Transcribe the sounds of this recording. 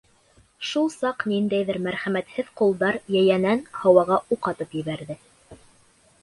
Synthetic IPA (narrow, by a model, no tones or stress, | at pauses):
ʃulˠsɑqnind̪æjðɘɾmæɾχæmæt̪hɘðqulˠd̪ɑɾjæjænænhɑwɑʁɑʔuqɑt̪ɤpjɘ̆βæɾðɘ